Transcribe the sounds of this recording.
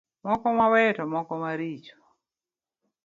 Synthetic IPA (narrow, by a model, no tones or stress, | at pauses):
mɔkɔmawɛtɔmɔkɔmaɾit͡ʃɔ̥